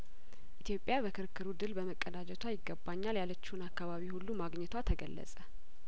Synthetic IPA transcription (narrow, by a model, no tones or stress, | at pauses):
ʔʔit̪ʰjo̞pʼːjabəkʰɨɾkʰːɨɾud̪ɨlbəməkʼːəd̪ad͡ʒɛt̪ʰwajɪɡːəbːaɲːaljalət͡ʃːɪhunakːaβaβihulːumaɡɲɛt̪ʰwat̪ʰəɡə̰lːə̰sʼə